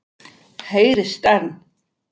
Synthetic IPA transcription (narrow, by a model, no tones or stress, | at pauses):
hejɾɪst̪an